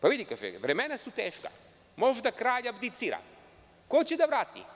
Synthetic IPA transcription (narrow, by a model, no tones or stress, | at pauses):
paʋid̪ikaːʒḛʋɾemenasut̪eːʃka̰ | mo̞ʒd̪akɾaːʎabd̪it̪siɾa̰ | kot͡ɕed̪aʋɾaːt̪ḭ